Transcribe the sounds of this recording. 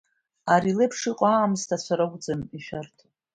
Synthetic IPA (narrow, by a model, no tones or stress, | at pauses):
aɾilepʰʂiqʷʼaːmstʰasʷʰaɾaɡʷʼd͡zɨniʃᶣartʰ